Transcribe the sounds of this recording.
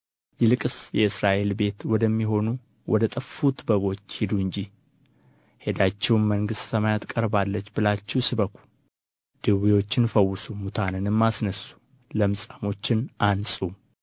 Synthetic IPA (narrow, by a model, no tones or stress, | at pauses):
jɪlɨkʼɨsjɛɨsɾaʔe̞lbe̞t̪wɔd̪əmːiɦo̞nu | wʔɔd̪ət̪ʼəfːut̪bəɡo̞t͡ʃːhɪd̪uɨɲd͡ʒi | he̞d̪at͡ʃːɛwnːəŋɡɨst̪səmajat̪kʼəɾbalːət͡ʃːbɨlat͡ʃːɛwsɨbəkʰʷu̥ | d̪̥ɨwijwo̞t͡ʃːɪnfəwːɨsumut̪ʰanɨnɨmːasnəsu̥ | ləmɨsʼamo̞t͡ʃːɪnʔansʼu